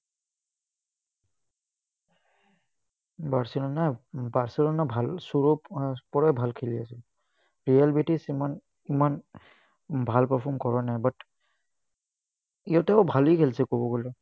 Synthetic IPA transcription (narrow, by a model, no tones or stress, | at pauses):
baɹsilɔnajbaɹsilɔnabʱalsuɹuppɔɹajbʱalkʰiliasil | ɹijalbetisiman | iman | bʱalpɔpʰɔmkɔɹɔnajbat | ijɔtɛʊbʱalikʰelsɛkobɔɡolɛ